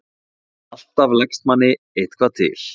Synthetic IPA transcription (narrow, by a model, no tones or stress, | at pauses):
al̥t̪avlɛkst̪̚manːɪ | ejht̪̚kʰvaːt̪ʰɪ̰l̥